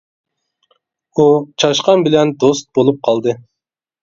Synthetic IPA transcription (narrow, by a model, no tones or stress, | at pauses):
ut͡ʃʰɑʃqɑnbɪlɛnd̪ost̪̚bolˠup̚qʰɑlˠd̪ɨ